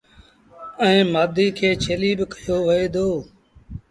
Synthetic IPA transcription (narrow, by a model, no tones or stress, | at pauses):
ɛ̃ːmaːd̪iːkʰeːt͡ʃʰeːliːbɪkəjoːʋəeːd̪oː